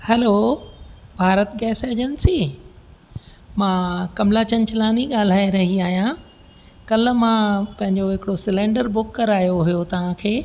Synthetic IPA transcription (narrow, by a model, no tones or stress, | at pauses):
hɛloː | bʱaːɾət̪ɡɛːseːd͡ʑənsiː | mãːkɐmlat͡ɕɐ̃ɲt͡ɕʰɪlaːniɠaːl̤aːiɾɐɦiaːɦijã | kɐlmãpɐ̃ɦɪ̃ɲd͡ʑoɦɪkɪɽosɪlẽːɳɖəɾbʊkːɐɾaːɦjoɦijot̪ɐʋ̤ãkʰeː